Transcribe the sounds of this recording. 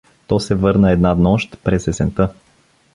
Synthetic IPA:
t̪ɔsɛvɤɾnəɛd̪nad̪nɔʃt̪pɾɛsɛsɛnt̪ɤ

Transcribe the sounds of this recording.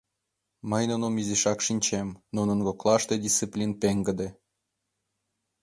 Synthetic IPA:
məjnunomiziʃɑkʃinʲt͡ɕemnunə̆nɡoklˠɑʃt̪ed̪ʲist͡sɨplʲinpeŋɡə̆d̪e

